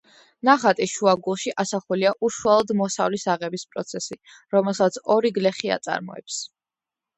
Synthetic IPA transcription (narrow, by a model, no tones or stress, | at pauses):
naχat̪ʼiʃuaɡulˠʃiʔasaχuliaʔuʃualˠɔd̪mɔsavlisaʁɛbispʼɾɔt̪sʰɛsi | ɾɔmɛlˠsat̪sʰɔɾiɡlɛχia̰t̪sʼa̰ɾmɔ̰ɛ̰ps